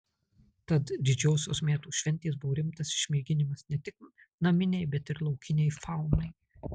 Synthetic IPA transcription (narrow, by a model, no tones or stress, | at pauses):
t̪ɐt̪d̪ʲɪd͡ʒʲɛʊsʲoːsmʲæːt̪uːʃʲʋʲɛnʲt̪ʲeːsbʊʋoːɾʲɪmt̪ɐsɪ̥ʃʲmʲiːɡʲɪnʲɪmɐsnʲɛt̪ʲɪk̚ | nɐmʲɪnʲɛɪbʲɛt̪ɪɾlˠɒʊkʲɪnʲɛɪfɑˑʊmɐɪ